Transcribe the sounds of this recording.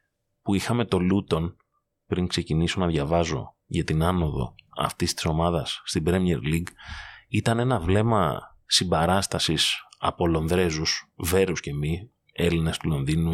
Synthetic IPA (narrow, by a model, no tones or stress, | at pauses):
puixɐme̞t̪o̞lut̪o̞n | pɾiŋkse̞ciniso̞nɐðʝɐvɐzo̞̰ | ʝɐt̪inɐno̞ðo̞̰ɐ̰ft̪ist̪i̥so̞mɐðɐsːt̪ibɾemiḛɾliɡit̪ɐne̞nɐvle̞mɐ̰ | sibɐɾɐst̪ɐsisɐ̰po̞lo̞nðɾe̞zusve̞ɾusce̞mi | e̞line̞st̪ulo̞nðinu